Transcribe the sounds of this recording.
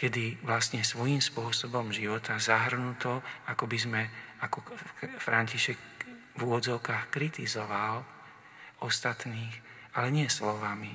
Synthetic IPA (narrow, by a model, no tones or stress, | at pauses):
kɛd̪iʋlast̪ɲɛsʋɔjiːmspʊɔsɔbɔmʒiʋɔt̪azaɦr̩nut̪ɔakɔbizmɛakɔfɾʔaɲciʃɛk | vuʋɔd͡zɔʊkaːxkɾit̪izɔʋal | ɔst̪at̪niːx | alɛɲɪɛslɔʋami